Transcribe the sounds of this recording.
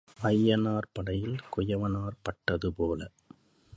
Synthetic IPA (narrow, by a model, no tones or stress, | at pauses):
ʔɐjːɐnaːɾpɐɽɐjɪlkʊjɐʋɐnaːrpɐʈːɐðɯpoːlɐ